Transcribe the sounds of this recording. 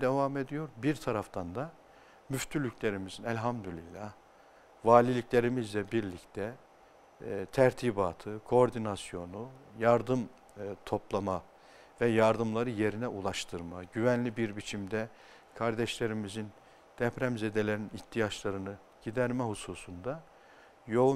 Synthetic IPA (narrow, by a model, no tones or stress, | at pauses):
d̪ɛvame̞d̪ijo̞ɾbiɾt̪ʰaɾaft̪ʰand̪a | myft̪ʰylʲycʰlʲe̞ɾimizinɛlʲɦamd̪ylʲilʲah | vaːlʲilʲicʲlʲe̞ɾimizlʲɛbiɾlʲict̪ʰɛ | t̪ʰæɾt̪ʰiːbaːt̪ʰɯkʰo̞ːɾd̪inasjo̞nujaɾd̪ɯm | t̪ʰo̞plˠama | vɛjaɾd̪ɯmlˠaɾɯje̞ɾinɛʔulˠaʃt̪ʰɯɾmaɟyvænlʲibiɾbit͡ʃʰimd̪ɛ | kʰaɾd̪ɛʃlʲe̞ɾimizin | d̪̥ɛpɾæmze̞d̪elʲe̞ɾiniht̪ʰːijat͡ʃlˠaɾɯnɯ | ɟ̥id̪æɾmɛhusuːsund̪a | jo̞